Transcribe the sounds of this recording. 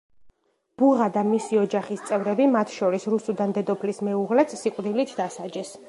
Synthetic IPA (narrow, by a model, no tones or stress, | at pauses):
b̥uʁad̪amisiɔd͡ʒaχist̪sʼɛvɾɛbimat̪ʰʃɔɾisɾusud̪and̪ɛd̪ɔpʰlismɛuʁlɛt̪sːiqʼd̪ilit̪ʰd̪asad͡ʒɛs